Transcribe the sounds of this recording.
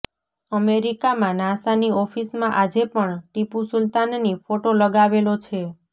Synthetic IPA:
əmeɾikamãnãsaniɔfʰismãʔad͡ʒepəɳʈipusʊlt̪anːnifoʈoləɡaʋelot͡ʃʰe

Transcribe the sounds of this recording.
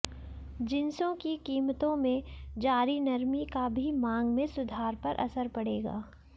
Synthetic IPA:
d͡ʒɪnsõkikiːmt̪õmẽd͡ʒaːɾinɐɾmikabʱimãːŋɡmẽsʊd̪ʱaːɾpɐɾʔɐ̰səɾpɐɽeːɡa̰ː

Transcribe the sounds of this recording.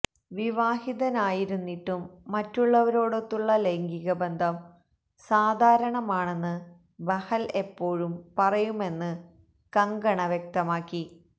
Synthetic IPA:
ʋiʋaːhiðɐnaːjiɾunːiʈːumːɐtːuɭːɐʋɐɾoːɽot̪ːuɭːɐleŋɡiɣɐbend̪ʱɐm | saːd̪ʱaːɾɐɳɐmaːɳe̞nːɨ | bɐhɐle̞pːo̞ːɻumpɐrɐjume̞nːɨ | kɐŋɡɐɳɐʋjek̚t̪ɐmaːkːi

